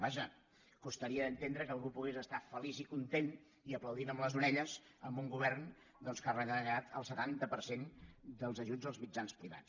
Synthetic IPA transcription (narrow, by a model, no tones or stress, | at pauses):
baʒə | kust̪əɾiəðənt̪end̪ɾəkəlˠɣupuɣezəst̪afəlizikunt̪en | iəpləwðinəmləzuɾɛʎəz | əmbuŋɡuβɛrn | d̪ɔnskarənəɣat̪ʰəlˠsət̪ant̪əpəɾsend̪əlˠzəʒud͡zd̪əlzmid͡ʒanspɾiβa̰t͡s